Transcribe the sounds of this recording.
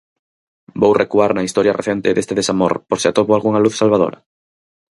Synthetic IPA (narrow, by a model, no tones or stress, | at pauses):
bowrekuaɾnɐist̪ɔɾjɐreθɛnt̪ɪðest̪eðesamo̰ɾpoɾsɪat̪oβoalɣuŋaluθsalβaðo̰ɾɐ̰